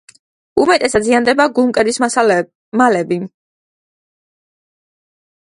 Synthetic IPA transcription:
umɛt̪ʼɛsad̪ziand̪ɛbaɡumkʼɛɾis | malɛbi

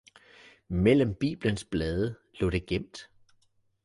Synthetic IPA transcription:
mel̰əmb̥ḭːb̥lənsb̥lɛːð̞ˠəlɔ̰ːd̥e̝ɡ̥em̰d̥

